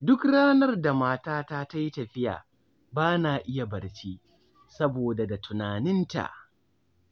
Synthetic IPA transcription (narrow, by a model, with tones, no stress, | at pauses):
dʊ˦kɽaː˦nɐ˦rda˨maː˦taː˦taː˦ta˦ji˦tɐ˨ɸɪ˦ja̰ː˨ | baː˦naː˨ʔɪ˦ja˨bɐ˨rt͡ʃiː˦ | sɐ˦boː˨da˨da˨tʊ˨naː˨nɪ˦nta̰˨ʔ